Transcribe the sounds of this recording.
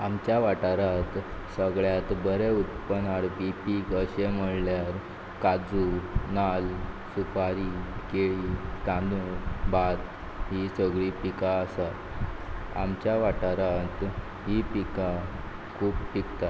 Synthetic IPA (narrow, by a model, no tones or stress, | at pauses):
amt͡ɕjaʋaʈaɾat̪səɡɭjat̪bəɾeut̪pənaɽpipiːkəɕem̤əɽljaɾ | kad͡zunal | supaɾikeɭiːt̪ãd̪ubat̪ | ɦisəɡɭipikaəsat̪ | a̰mt͡ɕjaʋaʈaɾat̪ | ɦipika | kʰuːppikt̪a